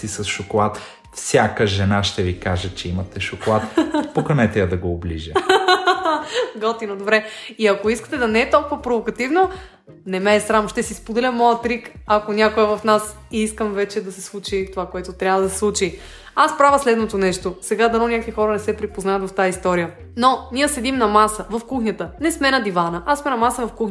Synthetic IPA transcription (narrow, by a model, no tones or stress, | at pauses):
sisɐsʃokolˠat̪ | fsʲjakəʒɛnaʃt̪ɛvikaʒət͡ʃɛimɐt̪ɛʃokolˠat̪pokɐnɛt̪ɛjɐd̪ɐɡoːblḭʒə | ɡɔt̪inod̪obɾɛiɐkoiskə̥t̪ɛd̪ɐnɛɛt̪ɔlˠkʊvɐpɾovokɐt̪ivno | nɛmɛːsɾamʃt̪ɛsispod̪ɛlʲəmːɔjət̪ɾikɐkonʲakoɛvɐfnas | iiskəmvɛt͡ʃɛd̪ɐsɛslˠut͡ʃit̪ovakoɛt̪ot̪ɾʲavəd̪ɐsɛ̥slˠut͡ʃi | aspɾavəslɛd̪not̪onɛʃt̪osɛɡad̪ɐnɔnʲakvixɔɾənɛsɛpɾipoznaɐt̪vɐft̪aist̪ɔɾijə | noniəsɛd̪imnɐmasəvɐfkuxnʲət̪ənɛsmɛnɐd̪ivanəʔasmɛnɐmasəvɐfkuxʲ